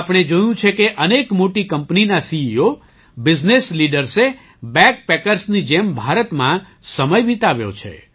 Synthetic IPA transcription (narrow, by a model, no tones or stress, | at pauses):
apɽ̃ed͡ʒojũt͡ʃʰekeʔənekmoʈikəmpninasiio | bɪd͡ʒnesliɖəɾse | bɛ̃k̚pekəɾsnid͡ʒembʱaɾət̪mã | səməjʋit̪aʋjo̰t͡ʃʰḛ